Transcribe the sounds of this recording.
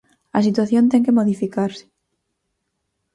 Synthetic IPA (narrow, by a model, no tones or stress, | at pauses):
a̰sit̪waθjont̪eŋkemoðifikaɾsɪ̥